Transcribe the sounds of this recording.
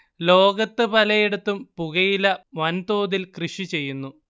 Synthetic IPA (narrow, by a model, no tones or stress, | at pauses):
lo̞ːɡɐt̪ːɨpɐlɐjeɽut̪ːumpuɣɐjilɐʋɐnt̪oːðilkrɨʂit͡ɕe̞jːunːu